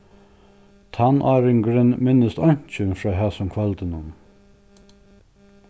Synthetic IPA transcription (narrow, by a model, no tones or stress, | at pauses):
t̪ʰanʔɑːɾɪŋɡɾɪnmɪnːəst̪ɔɲ̥t͡ʃəfɾɔːɦɛsʊmkʰʋalt̪ɪnʊn